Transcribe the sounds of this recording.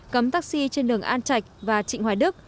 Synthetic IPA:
kə˨˦mt̪aː˦˥k̚si˧t͡ɕe˧nɗɨ˨˩əŋʔaː˧nt͡ɕa˧˩jk̟̚vaː˨˩t͡ɕḭ̈˧˨ŋ̟hwaː˧˩jɗɨ˦˥ək̚

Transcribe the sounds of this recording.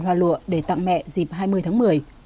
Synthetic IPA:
nɦwaː˨˩lṵ˧˨əɗe˧˩t̪a̰˧˨ŋmɛ̰˧˨zi˨˩p̚ɦaː˧jmɨ˧əjt̪ʰaː˨˦ŋmɨ˨˩əj

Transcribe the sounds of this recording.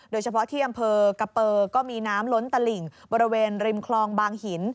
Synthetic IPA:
doː˧jt͡ɕʰa˧pʰɔ˦˥t̪ʰiː˥˩ʔa˧mpʰɤː˧ka˧pɤː˧kɔː˥˩miː˧naː˦˥mlo˦˥nt̪a˧li˨˩ŋbɔː˧ɾi˧˦˥weː˧nɾi˧mkʰlɔː˧ŋbaː˧ŋhi˨˩˦n

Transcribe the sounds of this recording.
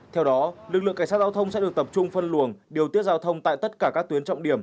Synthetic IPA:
t̪ʰɛ˧wɗɔ˨˦lɨ˨˩k̚lɨ̰˧˨ŋka˧˩ŋsːt̚zaː˧wt̪ʰə˧wŋ͡msɛ̰˧˥ɗɨ˨˩ək̚t̪ə˨˩p̚t͡ɕʊ˧ŋ͡mfə˧nlu˧˨˩əŋɗi˨˩əwt̪i˦˥ət̚zaː˧wt̪ʰə˧wŋ͡mt̪a̰ː˧˨jt̪ə˦˥t̚kaː˧˩kaː˦˥k̚t̪wi˨˦ənt͡ɕɔ̰˧˨wŋ͡mɗi˧˩əm

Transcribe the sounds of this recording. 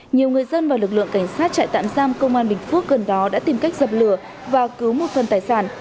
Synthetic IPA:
ɲi˨˩əwŋɨ˨˩əjzə˧nvaː˨˩wlɨ˨˩k̚lɨ̰˧˨əŋka˧˩jŋ̟saː˦˥t̚t͡ɕa̰ː˧˨jt̪a̰ː˧˨mzaː˧mkə˧wŋ͡mʔaː˧nɓï˨˩ŋ̟fu˦˥ək̚ɣə˨˩nɗɔ˨˦ɗa̰ː˧˥t̪i˨˩mka˦˥jk̟̚z̥ə˨˩p̚lɨ˧˩ə | vaː˨˩kɨ˨˦wmo˨˩t̚fə˨˩nt̪aː˨˩jsaː˧˩n

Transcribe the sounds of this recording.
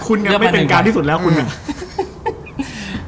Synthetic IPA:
kʰu˧nːi˥˩m˥˩pe˧nkaː˧nt̪ʰiː˥˩su˨˩lɛː˦˥wkʰu˧na˧˩

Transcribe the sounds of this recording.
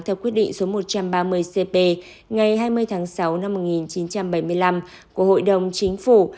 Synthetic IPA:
t̪ʰɛː˧wki˦˥t̚ɗḭ˧˨ŋ̟so˨˦mo˨˩t̚t͡ɕa˧mɓaː˧mɨ˧əjse˧pe˧ | ŋa˨˩jɦaː˧jmɨ˧əjt̪ʰaː˨˦ŋsa˨˦wna˧mːo˨˩t̚ŋi˨˩nt͡ɕi˨˦nt͡ɕa˧mɓə˧˩jmɨ˧əjla˧m | ku˧˩əho̰˧˨jɗə˨˩wŋ͡mt͡ɕï˨˦ŋ̟fu˧˩

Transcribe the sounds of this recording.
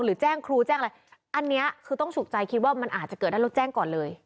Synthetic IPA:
ɾɯː˩˦t͡ɕɛː˥˩ŋkʰɾuː˧t͡ɕɛː˥˩ʔɾa˧jʔa˧nːi˦˥ɐkʰɯː˧t̪ɔ˥˩ŋt͡ɕʰu˨˩k̪̚t͡ɕa˧jkʰi˦˥waː˥˩ma˧nʔaː˨˩a˨˩kɤː˨˩t̚da˥˩o˦t̪̚t͡ɕɛː˥˩ŋkɔː˨˩nlɤː˧j

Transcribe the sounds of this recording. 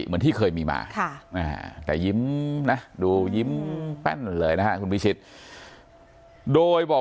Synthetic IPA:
mɨː˨˦nt̪ʰi˧˥˩kʰəː˧˩jmi˧˩ma̰ː˧˩kʰa˧˩ʔa̰ː˨˩t̪ɛ̰ː˨˩zi˨˦mna˨˦˥ɗu˧zi˨˦˥mpa̰˧˥˩n˨ləː˨˦jna˧˦˥ha˧˩ku˧nmi˧˦si˧˩t̪̚ | ɗoː˧˩jɓɔː˨˩

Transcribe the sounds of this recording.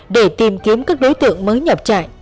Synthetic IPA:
ɗe˧˩t̪i˨˩mki˨˦əmkaː˦˥k̚ɗo˨˦jt̪ɨ̰˧˨əŋməː˨˦jɲə˨˩p̚t͡ɕa̰ː˧˨j

